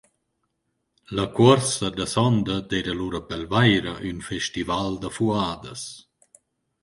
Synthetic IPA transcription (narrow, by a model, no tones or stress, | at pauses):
lɐkwɔɾsɐd̪əsɔnd̪əd̪eɾaluɾɐpɛlvajɾəʔynfɛʃt̪ivald̪əfuaːd̪əs